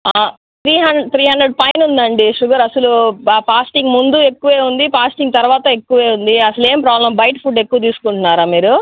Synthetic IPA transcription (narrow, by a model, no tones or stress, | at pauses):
a | t̪ɾiːɦɐnt̪ɾiːɦɐnd̪ɾeɖ̚pɐjnund̪ɐɳɖiʂuɡɐɾɐsɐluaːpaːsʈiŋɡmund̪ue̞kːuʋe̞ːund̪ipaːsʈiŋɡt̪ɐɾuʋaːt̪ɐe̞kːuʋe̞ːund̪iɐsɐle̞ːmpɾaːblɐmbɐjʈpʰuːɖe̞kːuʋɐt̪̬iːsu̥kuɳʈunːaːɾaːmiːɾu